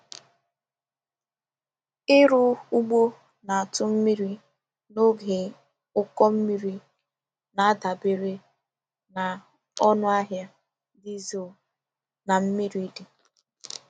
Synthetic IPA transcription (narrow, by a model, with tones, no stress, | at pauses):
ɪ˦ɾʊ˦u˦ɡ͡bo˦ | na˨a˨tʊ˦m̩˦mi˦ɾi˦ | no˦ɡe˨ | ʊ˦kɔ˦m̩˦mi˦ɾi˦ | na˨a˦da˨bɪ˦ɾe˦ | na˨ | ɔ˦nʊ˦a˦ɦja˦ | di˦zi˦o˨ | na˨m̩˦mi˦ɾi˦de˨